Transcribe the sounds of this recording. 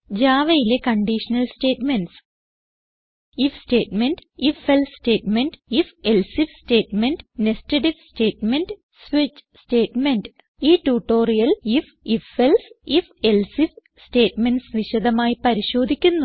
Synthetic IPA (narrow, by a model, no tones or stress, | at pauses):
d͡ʑaːʋɐjilekɐɳɖiʂɐnɐlsʈe̞ːʈmenɖs | ifsʈe̞ːʈmeɳɖifelsste̞ːʈmeɳɖifelsifsʈe̞ːʈmeɳɖnestɐʈifsʈe̞ːʈmeɳɖ | sʋit͡ɕːste̞ːʈmeɳɖ | iːʈuːʈːo̞ːrijɐlif | ifelsifelsif | sʈe̞ːʈmenɖsʋiɕɐd̪ɐmaːjipɐɾiɕo̞ːd̪ʱikʲːunːu